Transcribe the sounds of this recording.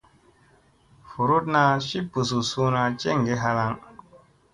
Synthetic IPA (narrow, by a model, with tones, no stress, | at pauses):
fu˨ɾu˦tna˦ʃi˦pːu˨s̬u˨su˦na˦t͡ʃe˦ŋ˨ɡe˦ɦa˦la˦ŋ